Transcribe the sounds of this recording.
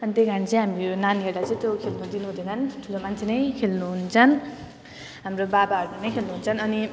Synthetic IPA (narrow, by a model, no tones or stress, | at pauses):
ʌnit̪ejɡant͡sʰʌj̃ɦamionaneɾʈat͡sʌj̃t̪jokʰelnud̪inuɦũd̪eɡanʈʰulomant͡sʰenʌjkʰelnuɦunt͡sʰʌn | ɦamrobabaɦʌɾukanʌjkʰelnuɦunt͡sʰʌnʌni